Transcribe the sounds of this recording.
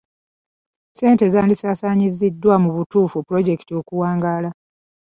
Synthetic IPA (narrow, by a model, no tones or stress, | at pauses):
se̞ːntezaːndisaːsaːɲizidːwamuβutuːfupuɾo̞ɟe̞ki̥tio̞kuwaːŋɡaːla